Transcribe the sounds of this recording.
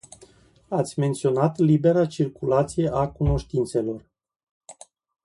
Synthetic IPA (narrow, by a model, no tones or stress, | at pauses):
at̪sʲme̞nt̪sio̞nat̪libe̞ɾat͡ʃirkulat̪sijeʔakuno̞ʃt̪int̪se̞lo̞r